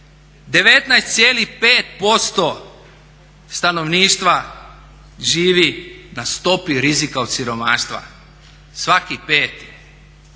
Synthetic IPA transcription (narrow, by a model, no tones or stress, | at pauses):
d̪e̞ʋe̞t̪najst̪sjeːlipeːt̪̚po̞st̪o̞ | st̪ano̞ʋniːʃt̪ʋa | ʒiːʋinast̪o̞piɾizikaot̪siɾo̞maːʃt̪ʋa̰ | sʋakipe̞ːt̪i̥